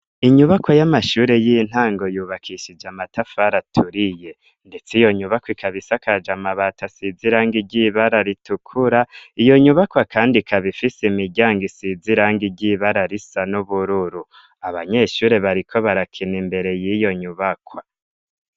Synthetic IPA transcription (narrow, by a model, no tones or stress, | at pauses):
iɲuβakwajamaʃuːɾe̞jin̥haːŋɡo̞juːβakʰiʃid͡ʒamatʰafaɾatʰuɾije̞ | nde̞t͡sijo̞ɲuβakwikʰaβisakad͡ʒamaβatasiziɾaːŋɡiɟiβaɾaɾitukʰuɾaijo̞ɲuβakwakaːndikʰaβifisimiɟaːŋɡisiziɾaŋɡiɟiβaɾaɾisanuβuɾuɾu | aβaɲe̞ʃuːɾe̞βaɾikʰo̞βaɾakʰinimbe̞ɾe̞jijo̞ɲuβakwa